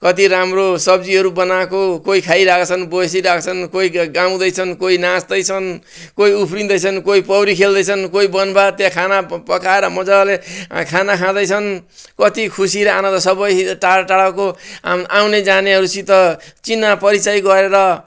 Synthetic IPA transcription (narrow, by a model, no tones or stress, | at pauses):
kʌt̪iɾamrosʌb̚d͡ziɦʌɾubʌnakokoikʰajɾakt͡sʰʌnbosiɾakʰt͡sʰʌnkoiɡaw̃d̪ʌjt͡sʰʌnkoinasd̪ʌjt͡sʰʌn | koiupʰɾind̪ʌjt͡sʰʌnkoipʌbɾikʰeld̪ʌjt͡sʰʌnkoibʌnbat̪jãkʰanapʌkaeɾʌmʌd͡zalekʰanakʰãd̪ʌjt͡sʰʌnkʌt̪ikʰusiɾʌanʌ̃d̪ʌsʌbʌjʈaʈaɽakoawned͡zaneɦʌɾusit̪ʌt͡sinːapʌɾit͡sajɡʌɾeɾʌ